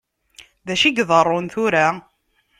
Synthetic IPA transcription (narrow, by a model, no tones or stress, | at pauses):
ðæʃiɡðˤərˤːonθʊɾa